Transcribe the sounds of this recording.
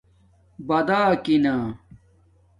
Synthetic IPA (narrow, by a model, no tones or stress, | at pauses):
bɐd̪aːkinaː